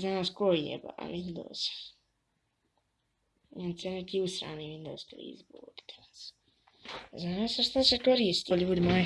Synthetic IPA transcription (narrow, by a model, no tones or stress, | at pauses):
zanaskoiḛba̰ʋind̪o̰ːz̥ | jensenekiːusɾa̰ːniʋind̪oːsklḭːzbuːd̪i̥t̪ḁas | zanasaʃt̪asekoɾiːst̪iʎʲuːd̪imae